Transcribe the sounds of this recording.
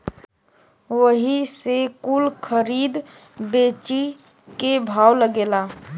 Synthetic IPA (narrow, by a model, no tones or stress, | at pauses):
ʋəɦisekulkʰəɾiːd̪ | bet͡ʃi | kebʱaːwləɡeːla